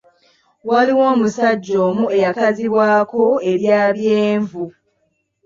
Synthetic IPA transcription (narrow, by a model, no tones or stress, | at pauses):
waliwo̞ːmusaɟːo̞ːmue̞jakaziβwaːko̞e̞ɾjaːβjeːɱvu